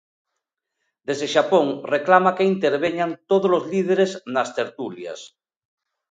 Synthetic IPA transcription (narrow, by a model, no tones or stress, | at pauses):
d̪ezðeʃapoŋreklamakeint̪eɾβ̞eɲant̪oð̞olozlið̞eɾeznast̪eɾt̪ulja̰s